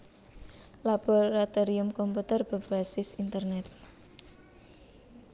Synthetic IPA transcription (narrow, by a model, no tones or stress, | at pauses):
lab̥oɔɾat̪ɔɾiʊmkɔmput̪ərb̥a̤b̥asɪsint̪ərnɛt̪̚